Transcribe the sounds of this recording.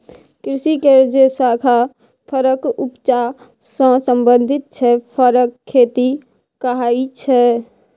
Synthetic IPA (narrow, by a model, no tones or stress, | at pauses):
kɾɪsikeɾd͡ʒesaːkʰa | pʰəɾəkʊpt͡ʃa | sə̃sə̃mbə̃nd̪ʱɪt̪̚t͡ʃʰɛpʰəɾəkʰːeːt̪i | kəɦait͡ʃʰɛ